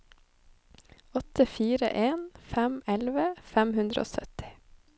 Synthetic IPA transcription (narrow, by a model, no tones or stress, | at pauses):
ɔt̪ʰəfiːɾə̰ʔeːnfæmɛlʋəfæmhʉnd̪ɾə̰ʔo̰ːsœt̪ɪ̥